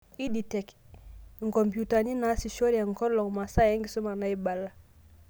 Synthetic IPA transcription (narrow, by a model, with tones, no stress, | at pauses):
i˦di˨tɛ˨k | ŋ˨kɔ˨mbju˨ta˨ni˦na˨˦si˨ʃo˦ɾija˨ŋ˨kɔ˦lɔ˨ŋma˨sa˦˨ja˦ŋɡi˨so˦ma˨na˨˦i˦ba˨la˦